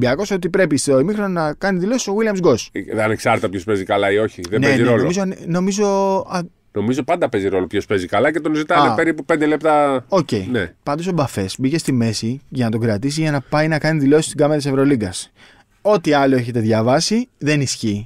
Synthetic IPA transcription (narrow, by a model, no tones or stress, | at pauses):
biɐko̞so̞t̪ipɾe̞pist̪eoimixɾononɐkɐniðilo̞si̥so̞ɣwiliɐmzɡo̞sðeɐne̞ksɐɾt̪ɐpjospe̞zikɐlɐio̞çiðeneenziɾoloomizonno̞mizo̞ɐ | no̞mizopɐnd̪ɐpe̞ziɾo̞lo̞pço̞spe̞zikɐlɐce̞t̪onzit̪ɐnepeɾipuped̪e̞le̞p̚t̪ɐo̞ce̞jnḛpɐnd̪o̞sobɐfe̞sbice̞st̪ime̞siʝɐnɐt̪o̞ɡɾɐt̪is̬izʝɐnɐpɐjnɐkɐniðilo̞si̥st̪iɡɐmeɾɐt̪ise̞vɾo̞liɡɐs | o̞t̪iɐloe̞çet̪e̞ðʝɐvɐsiðe̞nisçi